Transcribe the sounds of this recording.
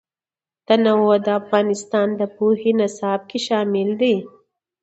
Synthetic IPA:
t̪anawod̪əafɣɑnɪst̪ɑnd̪əpohinasɑb̚kʰeʃɑmɪld̪i

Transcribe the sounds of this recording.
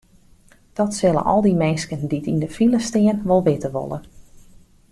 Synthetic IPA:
d̥ɔtsɪlˠə̰nʔɔ̰lˠdimɛnskənditindəfiləstɪənʋɔlˠʋɪtəʋo̰lˠə̰n

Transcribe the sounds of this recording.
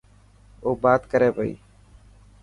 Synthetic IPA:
oːbaːt̪kəɾeːpəḭː

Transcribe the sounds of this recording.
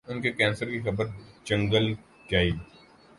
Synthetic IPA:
ʊnkekɛ̃ːnsəɾkixɐbəɾd͡ʒɐ̃ŋɡəl | ɡaːiː

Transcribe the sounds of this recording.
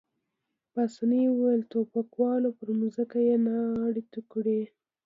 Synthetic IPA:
pasaniwuwajlt̪opakwɑlopəɾmuzəkajenɑːɽit̪ukɽi

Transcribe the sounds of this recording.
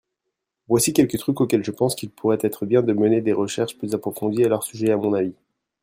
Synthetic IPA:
vwasikʲɛlkət̪χykokʲɛlʒəpɑ̃skʲilpʰuʁɛt̪ɛt̪χəbjɛ̃d̪əməned̪eʁəʃɛʁʃplyzapχɔfɔ̃d̪ialœʁsyʒɛamɔ̃navi

